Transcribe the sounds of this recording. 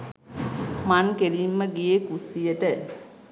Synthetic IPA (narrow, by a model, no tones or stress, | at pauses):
mankelimːəɡijekusijətə